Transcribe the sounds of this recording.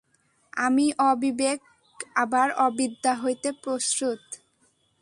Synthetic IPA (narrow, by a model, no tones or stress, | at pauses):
a̰miʔɔbibek | abaɾɔbid̪ʱːaɦojt̪epɾosɾut̪